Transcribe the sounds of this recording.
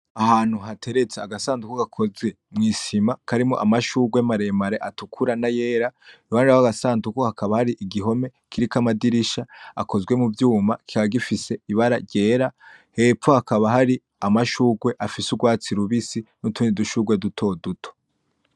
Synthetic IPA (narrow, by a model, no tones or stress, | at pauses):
ahaːn̥huɦatʰe̞ɾe̞t͡seaɡasaːndukoɡakʰo̞zɡwe̞ | mŋiːʃimakʰaɾimo̰ʔamaʃuːɡwemaɾe̞maɾe̞ʔatukʰuɾanaje̞ːɾawaːniɾaaɡasaːndukohakʰaβahaɾiʔiɡiɦo̞me̞ | kʰiɾikamadiɾiʃaa̰kʰo̞zɡwe̞muvjuːmaki̥kaβaɡifise̞iβaɾaɾɟeːɾa | he̞ːp͡fohakʰaβaɦaɾi | amaʃuːɡwe̞ʔafisuɡwaːt͡siɾuβisinutuːndiduʃuɡwe̞dutʰo̞dutʰo̥